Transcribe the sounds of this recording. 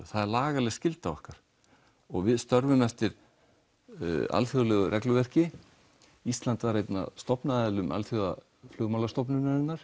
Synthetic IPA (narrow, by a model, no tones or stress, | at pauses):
θaðɛɾlaːɣalɛscɪlt̪avɔhkaɾ̥ | ɔɣvɪðst̪œɾvʏmɛft̪ɪɾ | a̰lθjolɛːɣʏrʔɛklʏvɛr̥cɪ | ist̪lant̪vaɾrejt̪na̰st̪ɔpnaðɛlʏmʔa̰lθjoɣa̰ | flʏːɣmalast̪ɔpnʏnaɾɪnːaɾ̥